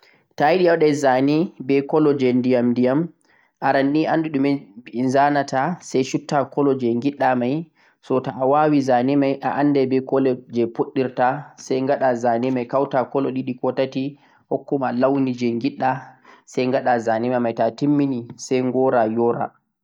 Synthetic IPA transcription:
tajiɗiawɗɛzanibɛkɔlɔd͡ʒɛndijamndijam | ʔaɾanːiʔanːduɗumɛnzanatʰasajʃutːakɔlɔd͡ʒɛŋɡiɗːamaj | sɔtaːwawizanimajʔaʔanːdɛbɛkɔlɛd͡ʒɛpuɗːiɾtasajŋɡaɗazanimajkawtakɔlɔɗiɗikɔtati | hɔkːumalawnid͡ʒɛŋɡiɗːasajŋɡaɗazanimamajtatimːinisɛjŋɡɔɾajɔɾa̰

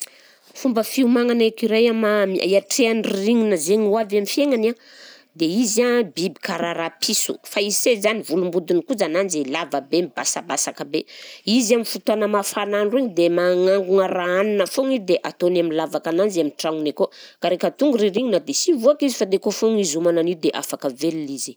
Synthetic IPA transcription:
fumbəfiumaŋanekiɾajamamia̰iaʈ͡ʂeanriɾiŋinəzeɲuavamifeŋana | d̪eizabibi̥kaɾaɾapʰisṵfaizisezanivulumbud̪unikud͡zanand͡ʒelavəbemibasabasakəbeizamifut̪anəmafananriŋid̪emaŋaŋɡuŋəɾaaninəfoŋid̪eʔat̪onaminlavakananzamiʈ͡ʂaŋunekokaɾekat̪uŋɡuɾiɾiŋinəd̪esivuakizifad̪ekofoŋizumananid̪eʔa̰fakəvelilizi

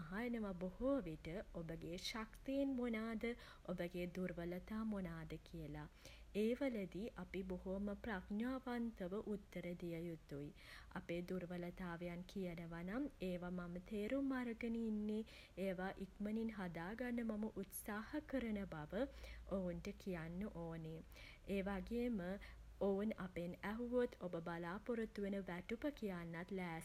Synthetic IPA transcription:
aɦajənəʋabohuʋiʈəobəɡeːʃakt̪eːnmonaːd̪ə | obəɡeːd̪uɾʋələt̪aːmonaːd̪əkʰijəlaeːʋələd̪iʔapiboɦuʋməpraknaːʋant̪əʋəʔut̪ːəɾəd̪ijəjut̪ːuj | a̰peːd̪uɾʋələt̪aːʋejankʰijənəʋanameːʋamamət̪eːɾumːaɾəɡəninːe | eːʋaʔikməninɦad̪aːɡanːəmaməʔut̪saːhəkəɾənəbaʋəounʈəkʰijanːəʔoːne | eːʋaɡeːməounapenæɦuʋot̪ʰobəbalaːpuɾət̪uʋenəʋæʈupəkijanːat̪læːs

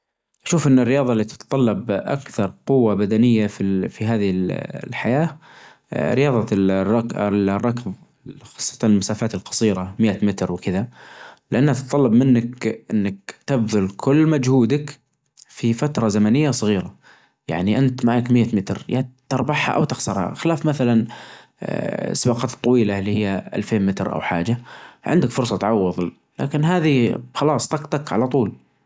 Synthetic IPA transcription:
ʔaʃuːfʔɪnːɪrːɪjɑːðˤɑlːit̪ɪ̥t̪t̪ˤɑlːɑbʔa̰kθɑɾˤqʊwːabad̪anɪjːafifiɦaːðɪɪllħajaː | ɾɪjɑːðˤɑrɑklrˤːɑkv | xɑ̥sˤːɑ̥t̪ɑnɪlmasaːfaːt̪ɪlqɑ̥sˤiːɾamɪjʔat̪mɪt̪ɾwɪkɪðalɪʔanːhat̪t̪t̪ˤɑlːɑbmɪnːakʔɪnːak̚t̪abðʊlkʰʊlːmad͡ʒhuːd̪ak | fifat̪ɾˤɑzamanɪjːasˤɨɣiːɾa | ja̰ʕniʔant̪maʕakmɪjːamɪt̪ɾjat̪ːɑɾˤbɑħha̰ʔa̰wt̪ɪxsɑɾˤha̰xɪlaːfmaθalan | sbɑqɑːt̪t̪ˤːɑwiːlalːihɪjːaʔa̰lfeːnmɪt̪ɾʔa̰wħa̰ːd͡ʒaʕɪ̰nd̪akfʊɾsˤɑt̪ʕɑwːʊðˤ | la̰ːkɪnɦaːðixɑlɑːsˤt̪ɑqt̪ˤɑkʕa̰lat̪ˤuːl

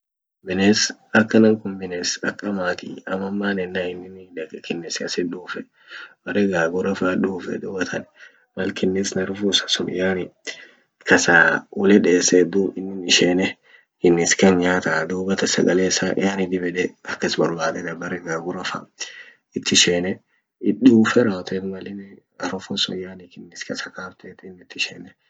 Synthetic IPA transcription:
bɪnesɐkːɐnɐŋkʊnbɪneːsɐkːɐmaːt̪iɐmɐmːaːnɛnːaɪnːɪnᶑɐkɛkɪnːɛsɪɐsɛᶑ̪uːfɛ | b̥ɐrːɛɡaːɡʊɾɐfaᶑuːfɛ̰d̪uːbɐt̪ʰɐnɛ | mɐlkɪnːɪsnɐɾʊfusɐ̥sʊnɪ̰jaːnɪ | kɐsaːwɔlɛᶑeːsɛd̪uɪnːɪnɪʃeːnɛ | kɪnːɪskɐnɲaːt̪ad̪uːbɐt̪ɐsɐ̰ɡɐleːsaʔɪ̰aːnɪd̪ɪbɛᶑɛɐkːɐsbɐɾbaːd̪ɛnɐbɐrɛɡaːɡʊɾɐfa̰ | ɪt̪ːɪʃeːnɛ | ɪɗuːfɛɾaːwt̪et̪mɐlɪn | ɐɾʊfʊsʊ̰jaːnɪkɪnːɪskɐsɐkaːft̪eːt̪ɪnːɪt̪ːɪʃeːnːɛ

